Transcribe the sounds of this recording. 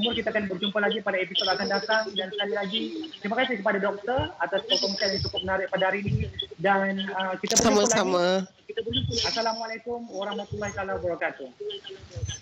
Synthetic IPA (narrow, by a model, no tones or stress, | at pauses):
mʊrkit̪aːkanbərd͡ʒumpalaɡipadaepisod̪akandat̪aŋdansə̥kalilaɡisimakasikəpadadɔk̚t̪ərat̪asɔkɔmisialnit͡ʃukʊp̚mənaɾɪk̚padaɦaɾinidanəkit̪absəɾamaslaama | kit̪abərd͡ʒumpʊasalamualajkʊmwaɾahmat̪ulːahit̪alawabaɾakat̪u